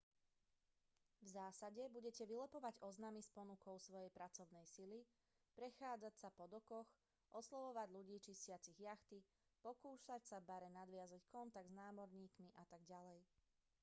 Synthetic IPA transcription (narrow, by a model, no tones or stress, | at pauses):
vzaːsaɟɛbuɟɛcɛʋilɛpɔʋaɟɔznamispɔnukɔʊsʋɔjɛjpɾat͡sɔʊnɛjsili | pɾɛxaːd͡zacsapɔd̪ɔkɔx | ʔɔslɔʋɔʋaɟʎuɟiːt͡ʃiscɪat͡siɣjaxt̪i | pɔkuːʃacsabaɾɛnad̪ʋɪazackɔnt̪aɡ̚dznaːmɔɾɲiːkmiʔat̪aɡɟalɛj